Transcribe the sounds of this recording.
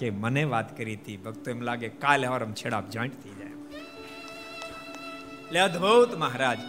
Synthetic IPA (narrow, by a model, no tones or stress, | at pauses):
kemənẽʋaːt̪kəɾit̪ʰibɐɡt̪uɐmlaːɡekaːlɔːɾɐmt͡ʃʰeːɽa̰ːpd͡ʒãːɪʈt̪ʰid͡ʒaːḛm | led̪ʱbowt̪mɐɦɾaːd͡ʒ